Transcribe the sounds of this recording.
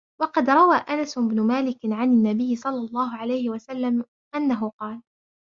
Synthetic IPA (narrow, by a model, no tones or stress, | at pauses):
wɑqɑd̪ɾˤɑwaːʔanasʔɪbnʊmaːlɪkɪʕanɪnːabɪjːɪsˤɑlːɑlˤːɑːɦʊʕalajhɪwasalːam | ʔanːaɦʊqɑːl